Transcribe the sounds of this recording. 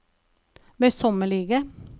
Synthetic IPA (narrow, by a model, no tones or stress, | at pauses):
ʋeːsɔməɭiːɡə